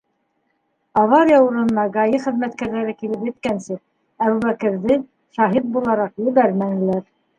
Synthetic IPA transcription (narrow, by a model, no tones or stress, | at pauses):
ɑvɑɾjɑuɾɤ̆nːɑɡɑjɤχɘ̆ðmæt̪kæɾðæɾɘkilɘpjɘ̆t̪kænsɘk̚ | æβuβækɘ̆ɾðɘ | ʃɑɦit̪̚bulˠɑɾɑqjɘ̆βæɾmæŋɘ̆læɾ